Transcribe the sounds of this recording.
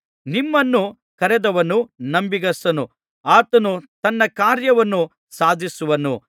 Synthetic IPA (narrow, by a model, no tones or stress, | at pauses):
nimːɐnːu | kɐɾɛd̪ɐʋɐnːunɐmbiɡɐsɐnu | aːt̪ɐnut̪ɐnːɐkaːɾjɐʋɐnːu | saːd̪ʱisuʋɐnu